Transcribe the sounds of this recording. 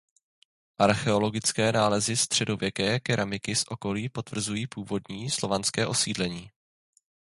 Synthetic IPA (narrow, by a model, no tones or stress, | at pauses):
ʔaɾxɛo̞lo̞ɡɪt͡skɛːnaːlɛzɪst̪r̥ɛdo̞vjɛkɛːkɛɾʔamɪkɪsʔo̞ko̞liːpo̞t̪vr̩zujiːpuːvo̞dɲiːslo̞vanskɛːʔo̞siːdlɛɲiː